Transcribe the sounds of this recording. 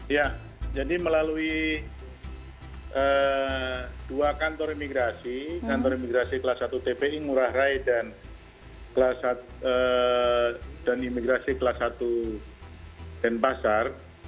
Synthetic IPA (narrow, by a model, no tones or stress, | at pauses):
ja | d͡ʒadiməlalui | ə | d̥uakant̪ɔɾimiɡɾasikant̪ɔɾimiɡɾasikəlasat̪ut̪epeiŋuɾahraidan | kəlasa | ə | danimiɡɾasikəlasat̪u | d̥anpasar